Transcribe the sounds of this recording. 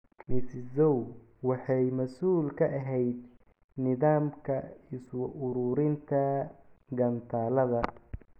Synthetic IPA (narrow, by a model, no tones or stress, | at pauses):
mɪszɔw | wɑħɑjmɐsuːlkʰɐʔɐɦɛjd̪̚ | nɪðaːmkʰɐɪswʊʔʊɾuːɾɪnt̪ʰɐɡɐnt̪ʰaːlɐðɐ